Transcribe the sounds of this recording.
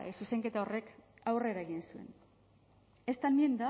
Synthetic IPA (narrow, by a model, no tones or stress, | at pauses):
suse̞ŋke̞t̪ao̞re̞kawre̞ɾaeɣinsue̞̰n | e̞st̪anmiend̪a